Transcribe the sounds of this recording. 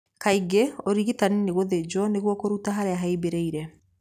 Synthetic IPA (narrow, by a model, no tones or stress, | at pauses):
kaiɡeoɾiɣitanineɣoðed͡ʒɔneɣwɔkoɾutaɦaɾeaɦaibeɾeiɾɛ